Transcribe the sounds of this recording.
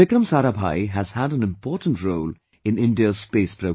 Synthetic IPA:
ɪkɾə̃msaɾaba̰ɪɦəz̥həɾə̃nɨ̃mpʰɔːɹʔn̩tɹoʊl | ɪ̃nɪ̃ndiəspeɪspʰɹ̥oʊ

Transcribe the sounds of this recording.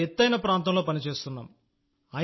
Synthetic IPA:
et̪ːɐjnɐpɾaːnt̪ɐmlo̞ːpɐnit͡ʃe̞ːst̪unːa̰ːm | ɐ

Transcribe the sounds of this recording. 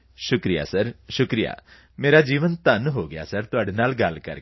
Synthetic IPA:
ʃʊkɾija̰səɾʃʊkɾija̰ː | meːɾad͡ʒiːʋənt̪ɐnɦoːɡɪja̰səɾt̪ʊaːɽenaːlɡɐlkə̰ɾ

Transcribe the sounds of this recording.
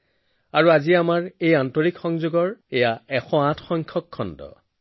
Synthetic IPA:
aɹuaziamaɹejantɔɹikxɔŋzuɡɔɹɛjaɛxɔãtʰxɔŋkʰɔkʰːɔndɔ̰

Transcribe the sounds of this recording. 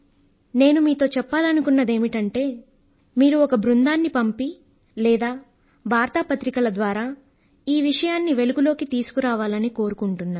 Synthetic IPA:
ne̞ːnumiːt̪o̞ːt͡ʃɛpːaːlɐnukunːɐd̪e̞ːmiʈɐɳʈe̞ː | miːɾuɔkɐbɾund̪aːnːipɐmpi | lɛːd̪aː | ʋaːɾt̪ɐpɐt̪ɾikɐlɐd̪ʋaːɾaː | iːʋiʂɐjaːnːiʋe̞luɡulo̞ːkit̪iːsu̥kuɾaːʋaːlɐniko̞ːɾukuɳʈunːaː

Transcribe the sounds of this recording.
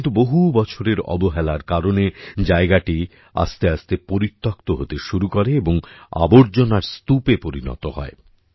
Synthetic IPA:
nt̪uboɦubɔt͡ɕʰoɾeɾɔ̰boɦɛlaɾkaɾoned͡ʑaeɡaʈi | a̰st̪east̪epoɾit̪ːokt̪oɦot̪eʃuɾukoɾeeboŋa̰boɾd͡ʑonaɾst̪upepoɾinɔ̰t̪o̰hɔ̰e

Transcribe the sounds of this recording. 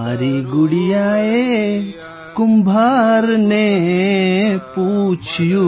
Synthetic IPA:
aɾiɡʊɽijaːe | kʊmbʱaːɾne | put͡ʃʰju

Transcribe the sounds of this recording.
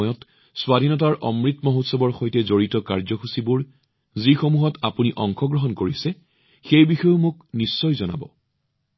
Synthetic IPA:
jɔt | swadʱinɔtaɹʔɔmɹitmɔɦotsɔbɔɹxojtɛzoɹitɔkaɹzɔxusibʊɹ | zixomuɦɔtapuniʔɔŋxɔɡɹɔɦɔnkoɹisɛ | xejbixɔjʊmʊknisːɔjzɔna̰bɔ̰

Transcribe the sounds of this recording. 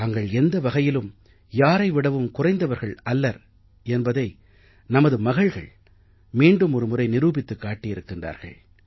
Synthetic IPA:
ɐŋɡɐɭɛnd̪ɐʋɐɣɐjɪlɯm | jaːɾɐɪʋɪɽɐʋɯmkʊrɐɪnd̪ɐʋɐɾɣɐɭɐlːɐɾ | ɛnbɐðɐɪ | nɐmɐðɯmɐɣɐɭɣɐ̰ɭ | miːɳɖɯmɔɾɯmʊrɐɪnɪɾuːbɪt̪ːɯkːaːʈːɪjɪɾɯkːɪndra̰ːɾɣɐ̰ɭ

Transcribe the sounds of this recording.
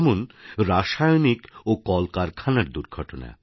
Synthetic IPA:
monɾaʃajonikokɔlkaɾkʰanaɾd̪uɾɡʱɔʈona̰e

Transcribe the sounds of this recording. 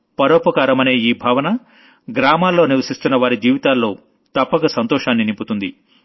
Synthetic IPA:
pɐɾoːpɐkaːɾɐmɐne̞ːiːbʱaːʋɐnɐ | ɡɾaːmaːlːo̞ːniʋɐsist̪unːɐʋaːɾid͡ʒiːʋit̪aːlːo̞ː | t̪ɐpːɐkɐsɐnt̪ɔːʂaːnːinimpːut̪und̪i

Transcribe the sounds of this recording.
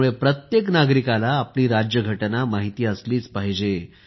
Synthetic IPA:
uɭepɾət̪jeknaɡɾikalaːpliːɾad͡ʑjəɡʱəʈnamaɦit̪iːəsliːt͡spaɦd͡ʑe

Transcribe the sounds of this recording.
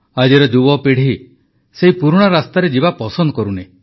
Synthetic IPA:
ad͡ʒiɾɔd͡ʒubɔpiɽ̤i | seɦipuɾuɽ̃ɔɾast̪aɾed͡ʒibapɔsɔnd̪ɔkɔɾune

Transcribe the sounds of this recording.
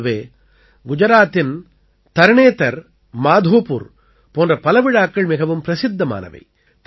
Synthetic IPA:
ʋeː | ɡʊd͡ʒɐɾaːt̪ːɪn | t̪ɐɾɳeːt̪ɐɾ | maːd̪ʱoːpṵɾ | poːndrɐpɐlɐʋɪɻaːkːɐɭmɪɣɐʋɯmpɾɐsɪd̪ːɐma̰ːnɐ̰ʋɐ̰ɪ | t̪

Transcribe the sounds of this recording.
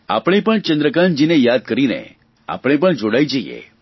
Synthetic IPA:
a̰pɽ̃ipəɳt͡ʃənd̪ɾəkand͡ʒinejad̪̚kəɾinḛ | a̰pɽ̃epəɳd͡ʒoɽajd͡ʒəjḛ

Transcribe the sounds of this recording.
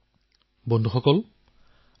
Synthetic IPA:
bɔnd̪ʱuxɔkɔl

